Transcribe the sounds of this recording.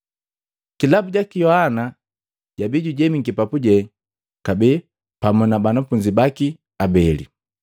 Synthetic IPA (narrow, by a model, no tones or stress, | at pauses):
kilabuɟakijɔhana | ɟabiɟuɟɛmiŋɡipapuɟɛ | kabɛ | pamunabanafuɲd͡ʒibaki | abɛlḭ